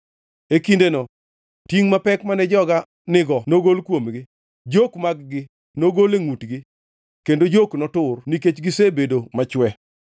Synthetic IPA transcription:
ekindenɔ | tiŋmapɛkmanɛd͡ʒɔɡa | nɪɡɔnoɡolkwomɡɪ | d͡ʒokmaɡɡɪ | noɡoleŋutɡɪ | kendod͡ʒoknɔtʊrniket͡ʃɡɪsebedomat͡ʃwɛ

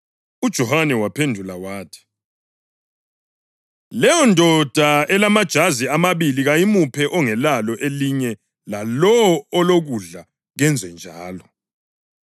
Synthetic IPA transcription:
ud̥ʒ̥ʱɔhanɛwapʰendʱulawaːtʰi̥ | lɛjɔndʱɔd̥ʱaɛlamad̥ʒ̥ʱaziamaβiliɣajimupʰɛʔɔŋɛlalɔʔeliɲɛ | lalɔːloɣuɮa | ɣɛnd͡zʱwɛnd͡ʒʱaːlɔ

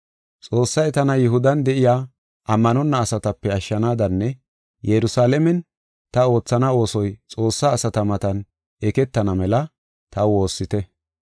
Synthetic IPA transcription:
t͡sʼo̞ːsːɐjt̪ɐnɐjɪɦʊd̪ɐnd̪ɛʔɪjaː | ʔɐmːɐnɔnːɐːsɐt̪ɐpːɛɐʃːɐnaːd̪ɐnːɛ | jɛɾʊsaːlɛmɛn | t̪ɐo̞ːt͡sːɐnɐo̞ːsɔjt͡sʼo̞ːsːaːsɐt̪ɐmɐt̪ɐn | ɛkɛt̪ːɐnɐmɛlɐ | t̪ɐwo̞ːsːɪt̪ɛ

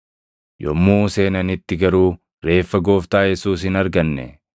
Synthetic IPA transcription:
jɔmːuːse̞ːnɐnɪt̪ːɪɡɐɾuː | ɾe̞ːfːɐɡo̞ːft̪aːjɛsuːs̬ɪnɐɾɡɐnːɛ̰

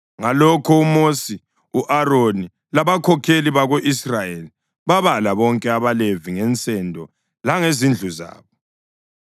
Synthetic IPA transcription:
ŋalɔkʰɔumosi | uʔaroni | laβakʰɔkʰeliβaɣoʔisrajeli | βaβalaβɔŋkʼɛaβaleviŋɛnt͡sʼɛndʱɔ | laŋezind͡ɮʱuza̰ːβɔ

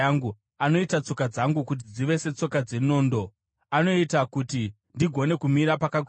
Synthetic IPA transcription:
ŋɡu | ano̞itat͡so̞kad͡zaŋɡukut̬id͡ziʋe̞se̞t͡so̞kad͡ze̞no̞ːndo̞ | ano̞itakuti | ndiɡʱo̞ne̞kumiɾapakakː

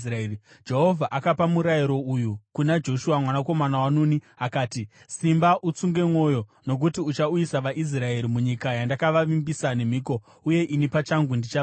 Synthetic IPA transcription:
ri | d͡ʒe̞ɦo̞vʱaʔakapamuɾajiɾo̞ujukunad͡ʒo̞ʃuwamwanako̞manawanuni | akaːti | simbaʔut͡suŋɡe̞mwo̞jo̞no̞k̬utiut͡ʃauisaʋaʔis̬rae̞ɾimuɲikajandakaʋaʋimbisane̞m̤iːko̞ | uje̞ʔinipat͡ʃaŋɡundit͡ʃa

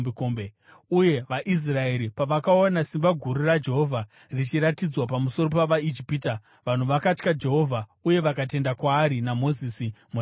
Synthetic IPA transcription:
ekombe | uje̞ʋaʔis̬rae̞ɾipaʋakaonasimbaɡʱuɾurad͡ʒe̞ɦo̞vʱa | rit͡ʃiɾatid͡zwapamuso̞ɾopaʋaid͡ʒipiːta | ʋan̤uʋakat͡ʃkad͡ʒe̞ɦo̞vʱauje̞ʋakate̞ndakwaːɾinamo̞ziːsim

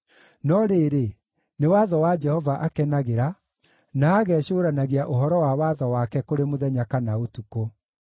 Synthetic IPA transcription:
nɔɾeːɾe | newaðɔwad͡ʒɛhɔvaʔakɛnaɣeɾa | naːɣɛɕoːɾanaɣeaʔoɦɔɾɔwawaðɔwakɛkoɾemoðɛɲakanaotuko

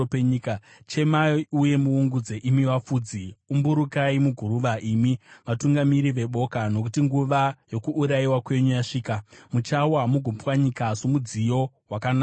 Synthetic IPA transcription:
eɲika | t͡ʃe̞mauje̞muuŋɡud͡ze̞ʔimiwafuːd͡ziumbuɾukaimuɡʱuɾuʋaʔimiʋatuŋɡamiɾiʋe̞ɓo̞kano̞k̬utiŋɡuʋajo̞kuːɾaiwakwe̞ɲujaʂiːkamut͡ʃawamuɡʱopwaɲikasomud͡zijo̞ | wakana

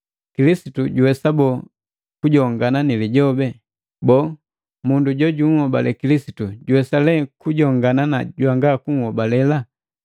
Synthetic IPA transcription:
kilisituɟuwɛsabɔ | kuɟɔŋɡananiliɟɔbɛ | bɔː | munduɟɔɟuŋhɔbalɛ̰kilisituɟuwɛsalɛkuɟɔŋɡanana̰ɟwaŋɡakuŋ̩hɔbalɛla

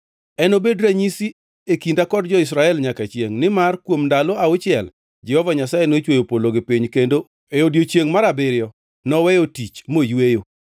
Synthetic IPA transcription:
ɛnobedɾaɲisi | ekindakɔdd͡ʒɔɪsɾaɛlɲakat͡ʃeŋnɪmarkwomndalɔaʊt͡ʃɪɛl | d͡ʒɛhɔvaɲasajenot͡ʃwojopoloɡɪpiɲkendo | eodjot͡ʃjeŋmaɾabɪɾjɔ | nɔwɛjotit͡ʃmojwejo

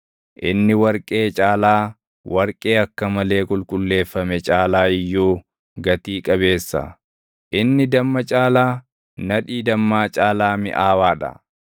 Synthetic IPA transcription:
ʔɪnːɪwɐɾkʼe̞ːt͡ʃʼaːlaː | wʔɐɾkʼe̞ːɐkːɐmɐle̞ːkʼʊlkʼʊlːe̞ːfːɐmɛt͡ʃʼaːlaːɪjːoː | ɡɐt̪iːkʼɐbe̞ːsːɐ̰ | ʔɪnːɪd̪ɐmːɐt͡ʃʼaːlaː | nɐᶑiːd̪ɐmːaːt͡ʃʼaːlaːmɪ̰ʔaːwaːᶑɐ̰

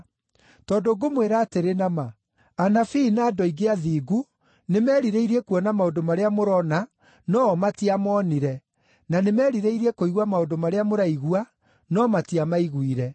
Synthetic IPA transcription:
tɔːndoɡomweɾaːteɾenama | anafinaːdɔiɡeaðiːɡu | nemɛːɾiɾeiɾiɛkuɔnamaodomaɾeamoɾɔna | nɔːmatiamɔːniɾɛ | nanemɛɾiɾeiɾiɛkoiɣwamaondomaɾeamoɾaiɣua | nɔmatiamaiɣwiɾɛ

